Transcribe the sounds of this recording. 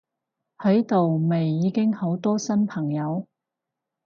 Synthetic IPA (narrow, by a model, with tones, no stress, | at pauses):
hɐ˨˥jt̪o˨wme˨jːiː˨˧kɪ˥ŋho˨˥wt̪ɔː˥sɐ˥npʰɐ˨˩ŋjɐ˨˧w